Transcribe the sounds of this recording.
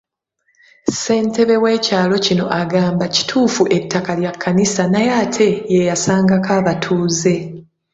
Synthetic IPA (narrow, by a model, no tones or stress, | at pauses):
se̞ːnte̞βe̞we̞ːcaːlo̞cino̞ʔaɡaːmbaci̥tʰuːfuʔe̞tʰːakaljakʰːanisanajaːtʰe̞jejasaːŋɡakaːβatʰuːze̞